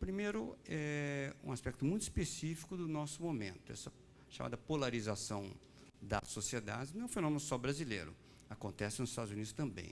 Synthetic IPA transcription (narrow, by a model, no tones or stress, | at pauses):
pɾimejɾʊɛṵ̃aspɛk̚t̪ʊmũj̃t̪ispesifi̥kʊd̪ʊnɔsʊmomḛ̃nt̪ʊɛ̰sɐ | ʃa̰mʔa̰d̪ɐpolaɾizasɐ̃w̃ | d̪ɐ̰sosied̪a̰d͡ʒɪnẽfenõmẽnʊsɔbɾazilḛjɾʊ̰ | akõnt̪ɛsɪnʊzɪ̥ist̪ad̪ʊzunid̪ʊst̪ɐ̃mbḛ̃j̃